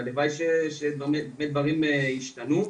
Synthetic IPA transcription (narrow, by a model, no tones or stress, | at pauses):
ad̪evajʃeʃebemet̪̚bemed̪vaʁimeiʃt̪anu